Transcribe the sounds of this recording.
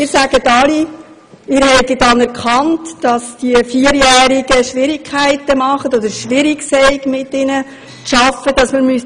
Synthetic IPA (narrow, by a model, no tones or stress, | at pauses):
ɪːɾsæɡ̥ətɑli | ɪːɾhɛɪdidɑnɛɾkχɑntd̥ɑsd̥iəfiəɾjæːɾiɡəʃʋɪɾikχæɪtəmɑχətɔd̥̪əɾʃʋɪɾiksɛɪkmɪtːɪnə | ʃɑfəd̥ɑsməɾmys